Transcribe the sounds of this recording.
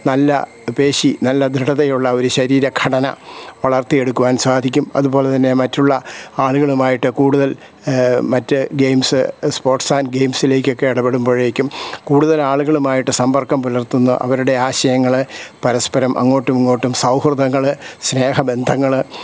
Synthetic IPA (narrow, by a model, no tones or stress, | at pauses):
nɐlːɐ̰ | pe̞ːɕinɐlːɐd̪ʱɨɽɐðɐjuɭːɐo̞ɾuɕɐɾiːɾɐkʰɐɽɐnɐ̰ʋɐɭɐrt̪ije̞ɽukːuʋaːnsaːd̪ʱikʲːumɐ̰ðubo̞ːlet̪ɐnːe̞mɐtːuɭːɐaːɭuɣɐɭumaːjiʈːɨkuːɽuðɐl | mɐtːɨɡejmsɨspo̞ːrʈsaːnɡe̞jmsile̞ːkʲːo̞kːe̞iɽɐpːeɽumboːɻeːkʲːumkuːɽuðɐlaːɭuɣɐɭumaːjiʈːɨsɐmpɐrkɐmpulɐrt̪unːṵʔɐ̰ʋɐɾuɽe̞aːɕɐjɐŋːɐɭɨpɐɾɐspɐɾɐmʔɐ̰ŋːo̞ːʈːumŋːoːʈːumsɐwhrɨðɐŋːɐɭɨsne̞ːhɐbe̞nd̪ʱɐŋːɐɭɨ